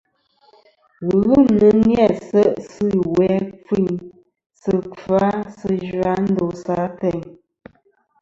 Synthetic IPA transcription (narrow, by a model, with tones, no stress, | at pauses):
ɣʉ˦˨mnə˨nnjɛ˦˨sə˦ʔsɨ˦˨wɛ˨˦p͡fi˦˨ɲ | sə˨p͡fa˨˦sə˦d͡ʒɰa˦n̩˦do˨sa˨˦tɛ˨ɲ